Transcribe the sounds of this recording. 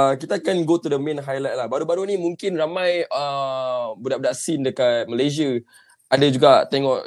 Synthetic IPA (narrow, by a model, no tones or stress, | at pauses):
əkit̪aːkanɡot̪udəmɛ̃nɦajlat̪̚lahbaɾubaɾunĩmuŋkɪnramãjə | budaʔb̚daʔsindəkat̪̚məlazia | ʔadad͡ʒuɡat̪ɛŋɔʔ